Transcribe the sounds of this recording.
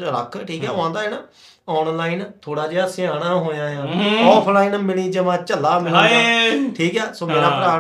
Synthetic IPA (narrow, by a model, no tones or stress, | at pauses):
ɾə̰kʰʈʰiːkɦɛ̰ːʊãːnd̪aːeːnaː | ɔːnlaːint̪ʰoːɽaːd͡ʒeasɪãːɽaːɦoːjãːjãːɔːpʰlaːiːnmɪliːd͡ʒəmãːt͡ʃəlːaːmɪlːaʈʰiːkɛːsoːmeːɾãːpəɾaː